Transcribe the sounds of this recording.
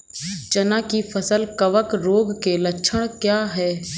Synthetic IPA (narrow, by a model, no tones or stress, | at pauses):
t͡ʃɐnãːkifʰɐsəlkɐʋəkɾoːɡkelɐt͡ʃʃʰəɽ̃kjaːɦɛː